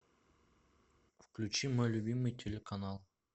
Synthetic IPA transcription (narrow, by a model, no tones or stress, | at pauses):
fklʲut͡ʃimolʲubʲimːɨjt̪ʲʰelʲekanalˠ